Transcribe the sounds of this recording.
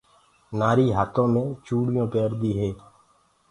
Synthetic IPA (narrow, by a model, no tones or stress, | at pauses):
naːɾiːɦaːt̪õːmẽːt͡ʃuːɽɪjõːpeːɾd̪iːɦeː